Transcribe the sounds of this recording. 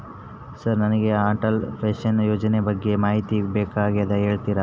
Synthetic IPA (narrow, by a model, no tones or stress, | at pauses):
sɐɾnɐnɐɡe̞aːʈɐlpʰeːʃɐnjoːd͡ʒɐnebɐɡːe̞maːɦit̪ibeːkaːɡiɐd̪ɐɦeːɭt̪iɾa